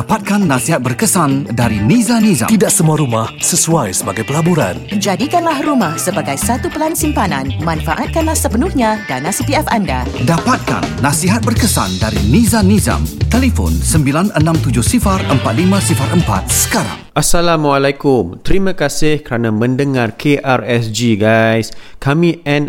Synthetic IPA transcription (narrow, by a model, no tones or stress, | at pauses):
apat̪̚kanːasiɦat̪̚bərkəsandaɾinizaniza̰t̪idaʔsəmuaɾumahsəsuajsəbaɡajpəlabuɾa̰nd͡ʒadikanlahrumahsəbaɡajsat̪upəlansimpananmanfaʔat̪̚kanlahsəpənʊhɲadanasipiɛfandadapat̪̚ka̰nːasiɦat̪̚bərkəsa̰ndaɾinizaniza̰mt̪elifɔ̰nsəmbilanənãmt̪ud͡ʒʊhsifarəmpat̪̚limãsifaɾʔəmpa̰t̪̚sə̥kaɾa̰ŋʔasalamwalakʊmt̪əɾimãkasɪhkəɾanamə̃ndəŋarkʰeʔarɛsd͡ʒiɡajskamĩɛn